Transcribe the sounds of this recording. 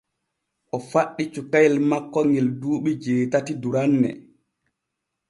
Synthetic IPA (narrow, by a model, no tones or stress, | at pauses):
ʔɔfaɗːit͡ʃukajlmakːɔŋɡɛlduːɓid͡ʒeːtatiduɾanːɛ̰